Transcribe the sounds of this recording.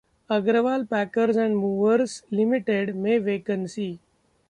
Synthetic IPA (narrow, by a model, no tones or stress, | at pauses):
əɡɾəʋaːlpækəɾsɛ̃ɳɖmuːʋəɾslɪmiʈeɖmẽʋeːkənsiː